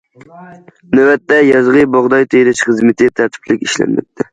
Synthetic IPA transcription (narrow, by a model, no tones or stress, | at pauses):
næwɛt̪ːɛjɑzʁɨbɑʁd̪ɑjt̪ʰejɾɪʃχɨzmɪt̪ʰɪt̪ʰæɾt̪ʰɪ̥pʰlɪkʲiʃlɛ̰nmːɛ̰t̪̚ʰːɪ